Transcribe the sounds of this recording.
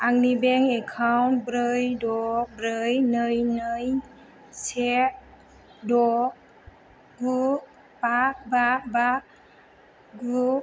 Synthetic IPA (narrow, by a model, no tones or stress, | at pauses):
aŋnibɛŋɛkʰawntbɾɯjdɔk̚bɾɯjnɯjnɯj | sɛt̚ | dɔk̚ | ɡu | pak̚babak | ɡu